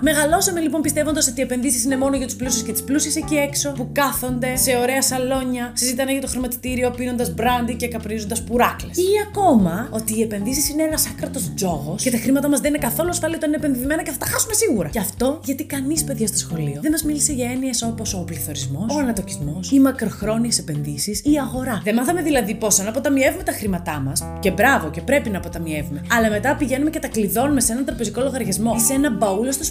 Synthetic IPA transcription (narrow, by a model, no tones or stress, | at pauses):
me̞ɣɐlo̞sɐmelipo̞mpist̪e̞vond̪ɐso̞t̪iepe̞nðisisine̞mo̞noʝɐt̪u̥splusisce̞t̪i̥splusisecie̞kso̞pukɐθo̞nd̪e̞se̞o̞ɾe̞ɐsɐlo̞ɲɐsizit̪ɐneʝɐt̪o̞xɾimɐt̪i̥t̪iɾio̞pino̞nd̪ɐzbɾɐnd̪icekɐpɾizond̪ɐspuɾɐklesiɐko̞mɐo̞t̪iːe̞pe̞nðisisineenɐsɐkɾɐt̪o̞zd͡zo̞ɣo̞scet̪ɐxɾimɐt̪ɐmɐzðe̞nine̞kɐθo̞lusfɐliot̪ɐninepe̞nðiθime̞nɐceθɐt̪ɐxɐsume̞siɣuɾɐ̰cɐft̪o̞ʝɐt̪ikɐnispe̞ðʝɐst̪o̞sxo̞lio̞ðe̞mɐzmilise̞ʝɐe̞nie̞so̞po̞so̞pliθo̞ɾizmo̞soɐnɐt̪o̞cizmo̞simɐkɾo̞xɾo̞niesepe̞nðisisiɐɣo̞ɾɐðe̞mɐθɐme̞ðilɐðipo̞sɐnɐpo̞t̪ɐmie̞vume̞t̪ɐxɾimɐt̪ɐmɐs | ce̞bɾɐvo̞ce̞pɾe̞pinɐːpo̞t̪ɐmie̞vume̞ɐlɐme̞t̪ɐpiʝe̞nume̞ce̞t̪ɐkliðo̞nume̞se̞nɐnt̪ɾɐpe̞ziko̞lo̞ɣɐɾʝɐzmo̞isenɐbɐulost̪os